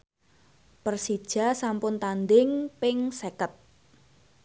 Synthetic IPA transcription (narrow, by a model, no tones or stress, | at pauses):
pərsid̥ʒ̥a̤sampʊnt̪and̪ɪŋpɪŋsekət̪̚